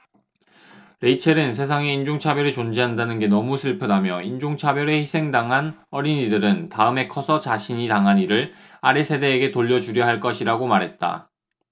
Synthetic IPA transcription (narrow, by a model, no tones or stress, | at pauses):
ɾe̞it͡ɕʰeɾɯns̬ʰe̞s̬ʰaŋe̞ind͡ʑoŋt͡ɕʰabjʌɾit͡ɕond͡ʑiɦandanɯnɡe̞nʌmusʰɯɭpʰɯdamjʌind͡ʑoŋt͡ɕʰabjʌɾe̞çisʰeŋdaŋɦan | ʌɾiɲidɯɾɯntaɯme̞kʰʌsʰʌt͡ɕaɕʰiɲitaŋɦaniɾɯɭ | aɾesʰe̞de̞ːɡe̞toʎːʌd͡ʑuɾjʌɦaɭk͈ʌɕʰiɾaɡomaɾɦe̞t̚t͈a̰